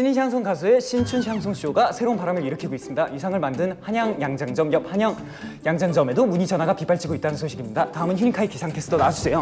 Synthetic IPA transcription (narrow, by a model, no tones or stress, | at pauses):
ɕʰiɲiɕʰjaŋsʰoŋɡasʰue̞ɕʰint͡ɕʰunɕʰjaŋsʰoŋɕʰijoɡasʰe̞ɾounpaɾamɯɭiɾɯkʰiɡois͈ɯmɲidajusʰaŋɯɭmandɯnhaɲaŋjaŋd͡ʑaŋd͡ʑʌmjʌp̚haɲʌŋ | jaŋd͡ʑaŋd͡ʑʌme̞domuɲid͡ʑʌnɦaɡapip͈aɭt͡ɕʰiɡoit͈̚anɯnsʰoɕʰiɡimɲidataɯmɯnçuɲikʰaikisʰaŋtʰes͈ʰɯdonaad͡ʑusʰe̞jo